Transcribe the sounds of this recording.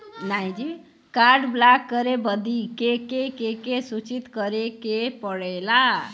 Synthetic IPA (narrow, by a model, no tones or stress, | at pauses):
naj̃d͡ʒi | kaɾɖblakːʌɾebʌd̪ikekekekesut͡ʃit̪kʌɾekepʌɽela